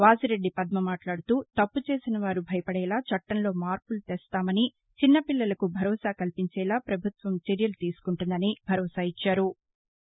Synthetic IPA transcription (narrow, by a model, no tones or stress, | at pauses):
ʋaːsiɾe̞ɖːipɐd̪̚mɐmaːʈlaːɽut̪uːt̪ɐpːut͡ʃe̞ːsinɐʋaːɾubʱɐjɐpɐɽɛːlaːt͡ʃɐʈːɐnlo̞ːmaːɾpulut̪eːst̪aːmɐni | t͡ʃinːɐpilːɐlɐkubʱɐɾɔːsaːkɐlpiɲt͡ʃɛːlaːpɾɐbʱut̪ʋɐmt͡ʃeɾjɐlut̪iːsu̥kuɳʈund̪ɐnibʱɐɾɔːsaːit͡ʃːaːɾu